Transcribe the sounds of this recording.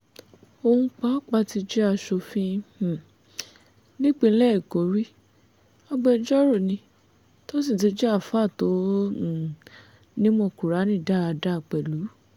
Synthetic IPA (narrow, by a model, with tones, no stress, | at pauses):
o˧hũ˧k͡pa˦k͡pa˧ti˧d͡ʒɛ˦a˧ʃo˧fĩ˦˨ | nĩ˦k͡pe˧˦lɛ˦˨ko˨˦ɾi˦ | a˧ɡ͡bɛ˧d͡ʒɔ˦ɾo˦˨nĩ˧ | to˦s̬i˦˨t̬i˧˦d͡ʒɛ˦a˦˨fa˦˨tõ˨˦˨ | nĩ˦mɔ̃˧˨ku˨ɾa˨˦nĩ˦˨da˦˨a˧˨da˦˨k͡pɛ˨lu˨˦